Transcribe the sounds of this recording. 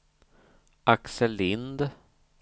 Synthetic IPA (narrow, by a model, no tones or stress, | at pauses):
ʔaksəlɪnd̪